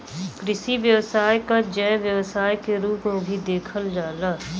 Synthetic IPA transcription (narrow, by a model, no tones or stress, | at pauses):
kɾɪʃiʋjəwsaːjkad͡ʒɛːʋjəwsaːjkeɾuːpmẽbʱid̪eːkʰəld͡ʒaːlaː